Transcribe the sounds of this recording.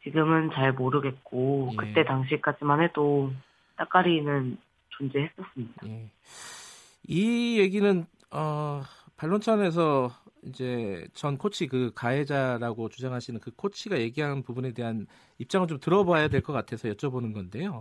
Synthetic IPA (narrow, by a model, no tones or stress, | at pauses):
t͡ɕiɡɯmɯnt͡ɕaɭmoɾɯɡe̞t̚k͈ojkɯt͈e̞taŋɕ̬ʰik͈ad͡ʑimanɦedo | t͈ak͈aɾinɯn | t͡ɕond͡ʑehes͈ʌs͈ɯmɲid̥ae̞ | ije̞ɡinɯn | ʌpaɭːont͡ɕʰʌne̞s̬ʰʌid͡ʑe̞t͡ɕʌnkʰot͡ɕʰikɯkae̞d͡ʑaɾaɡot͡ɕud͡ʑaŋɦaɕʰinɯnkɯkʰot͡ɕʰiɡaje̞ɡiɦanpubune̞de̞ɦan | ip̚t͡ɕ͈aŋɯɭt͡ɕomtɯɾʌboajadwe̞ɭk͈ʌk͈atʰe̞sʰʌjʌt͡ɕ͈ʰʌbonɯnɡʌnde̞jo